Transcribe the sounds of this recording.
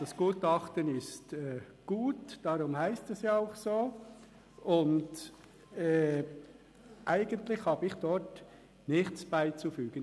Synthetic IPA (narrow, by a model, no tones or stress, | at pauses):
d̥ɑsɡ̥uːtɑχtənɪstɛɡ̥uːtd̥ɑɾʊmhæɪstɛsjɑaʊχsoː | ʊnd | ɛː | ʔæɪɡ̥əntlɪχhɑːbɪχd̥ɔt | nɪχtt͡sb̥aɪt͡sufyːɡ̥ən